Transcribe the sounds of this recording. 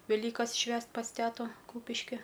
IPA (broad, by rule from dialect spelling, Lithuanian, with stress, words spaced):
ʋʲɛˈlʲiːkɐs ˈʃʲʋʲæːst pɐs ˈtʲæːtoː ˈkuːpʲɪʃʲkʲɪ